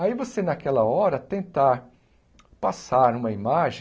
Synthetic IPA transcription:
aivosenakɛlɐɔɾɐt̪ẽnt̪aɾ | pasaɾũmɐimaʒẽ

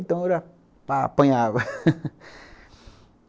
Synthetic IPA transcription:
t̪õɾa | papə̃jãβ

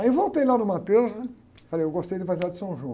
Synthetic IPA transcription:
ewvowt̪ejlanʊmat̪ezɐ | falejewɡost̪ejd͡ʒ̪ɪvazilad̪ɪsɐ̃w̃ʒũ

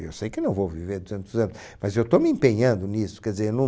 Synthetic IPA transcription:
ḛwsejkɪnɐ̃w̃vowviveɾd̪uzẽnt̪ʊzɐ̃nʊʃ | mɐzewt̪omɪẽmpeɲɐ̃nd̪ʊnisʊ̥kɛɾd̪izeɾnɐ̃

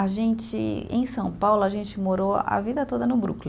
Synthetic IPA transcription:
aʒẽt͡ʃɪ̰ḛ̃j̃sɐ̃w̃pawlʊaʒẽnt͡ʃɪmoɾoa̰vid̪ɐt̪od̪ɐnʊbɾṵkl

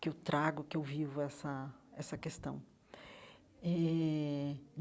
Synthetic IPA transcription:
kɪewt̪ɾʔaɡʊkɪewvivʊɛsɐɛsɐkest̪ɐ̃w̃ | ɛ

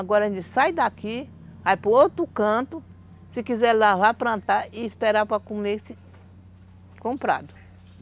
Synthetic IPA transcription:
aɡɔɾɐʒẽt͡ʃɪsajd̪aki | ajpɾoowt̪ɾʊkɐ̃t̪ʊ | sɪkizɛɾlavapɾɐ̃nt̪aɪːspeɾapɾakumlesɪ | kõmpɾa̰d̪ʊ

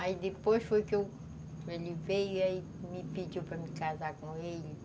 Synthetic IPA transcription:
ɐid̪ɨpojʃfojkew | elivejɐi | mipid͡ʒiwpɾɐmikazakõeʎ

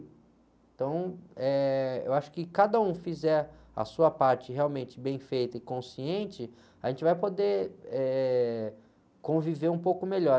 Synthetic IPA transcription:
ẽt̪ɐ̃w̃ɛḛwaʃʊ̥kɪkad̪ɐũfizɛɾɐ̰suɐpaɾt͡ʃɪɦeawmẽnt͡ʃɪbẽj̃fejt̪ɐɪkõsiẽnt͡ʃɪ | ɐʒẽnt͡ʃɪvajpod̪eɛ | kõviveɾũpowkʊmeʎɔ

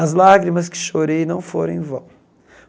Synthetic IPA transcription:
ɐzlaɡɾimɐskɪ̥ʃoɾejnɐ̃w̃foɾẽj̃vɐ̃

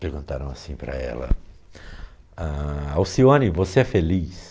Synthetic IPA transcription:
peɾɡũnt̪aɾɐ̃w̃asĩpɾɐ̰ɛ̰lɐ̰ | aawsiõnivoseɛfelis

